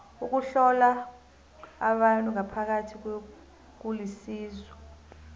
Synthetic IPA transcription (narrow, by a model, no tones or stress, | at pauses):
uk̬uɬɔlaː | ɓantʼuŋapʰak̬atʰik̬we | k̬ulisiːzwɔ